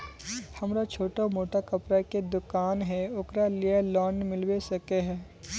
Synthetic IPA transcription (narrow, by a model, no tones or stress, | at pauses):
hɐmɾat͡ʃʰoːʈamoːʈakɐpɾaked̪ʊkaːnɦɛʊkɾalijalɔːnmɪlwesɐkeɦɛː